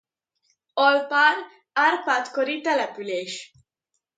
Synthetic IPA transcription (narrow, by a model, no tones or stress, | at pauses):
ɒlpaːɾ | arpaːt̪koɾit̪ɛlɛpyleːʃ